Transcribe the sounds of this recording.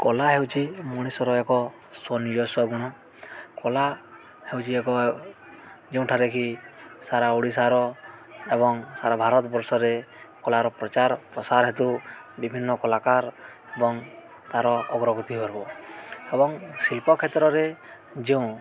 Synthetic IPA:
kɔlaɦewt͡ʃʰimuɽ̃isɔɾɔekɔ | sɔnijɔsɔɡɔɽ̃ɔ | kɔla | hewt͡ʃʰiekɔ | d͡ʒeũʈʰaɾekʰisaɾauɽisaɾɔebɔŋsaɾabʱaɾɔt̪ɔbɔɾsɔɾekɔlaɾɔpɾɔt͡ʃaɾpɾɔsaɾɦet̪ubibʱinːɔkɔlakaɾ | ebɔŋ | t̪aɾɔɔɡɾɔɡɔt̪iɦɔɾbɔebɔŋsilpɔkʰet̪ɾɔɾe | d͡ʒeũ

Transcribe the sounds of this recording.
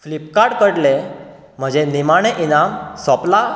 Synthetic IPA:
flipkaɽkəɽle | m̤əd͡ʑenimaɽ̃eʔinamsɔpla

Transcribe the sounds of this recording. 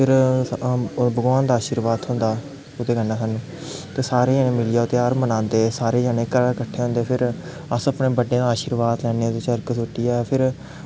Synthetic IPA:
pʰɪɾ | bəɡʋaːnd̪aːaːʃiɾʋaːd̪ɦʊ̃nd̪aː | ʊd̪eːɡənːãːsən | t̪eːsaːɾeːd͡ʒaːnẽːmɪlijaːʊt̪eːaːɾmənãːnd̪eːsaːɾeːd͡ʒaːneːkəɾkəʈʰːeːɦõnd̪eːpʰɪɾ | əsəpneːbəɖẽːd̪aːʃiɾʋaːd̪lɛːnet̪eːt͡ʃəɾksoːʈijɛːpʰɪɾ

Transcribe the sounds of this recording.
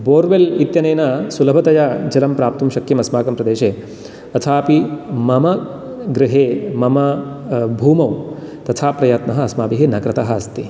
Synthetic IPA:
boːɾʋelit̪jɐneːnɐsulɐbʱɐt̪ɐjad͡ʒɐlɐmpɾaːp̚t̪umʃɐkjɐmɐsmaːkɐmpɾɐd̪eːʃeː | ɐt̪ʰaːpimɐmɐ | ɡɾɪɦeːmɐmɐbʱuːmɐw | t̪ɐt̪ʰaːpɾɐjat̪nɐɦɐ̆ɐsmaːpiɦenɐkɾɐt̪ɐɦɐ̆ɐst̪i

